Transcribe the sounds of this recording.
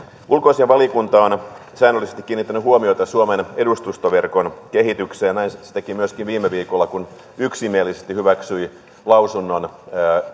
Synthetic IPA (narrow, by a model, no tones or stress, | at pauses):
ʔulkoisieʋɑlikunt̪ɑon | sæːnølisest̪ikːiːnːit̪ːænyhuomioit̪ɑsuomenedust̪ust̪oʋerkonkeɦit̪ykseːnæinsi̥t̪ækimyøskinʋiːmːeʋiːkolːɑkun | yksimielːisest̪ihyʋæksyi | lɑwsunːonː